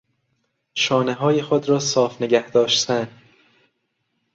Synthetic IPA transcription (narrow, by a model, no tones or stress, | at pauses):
ʃɒːneɦɒːjexod̪ɾɒːsɒːfneɡæhd̪ɒːʃt̪ʰæn